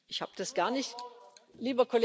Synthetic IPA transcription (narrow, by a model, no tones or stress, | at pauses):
ʔɪçha̰ːbəd̥asɡ̥aːɐnɪçtliːbɐkʰole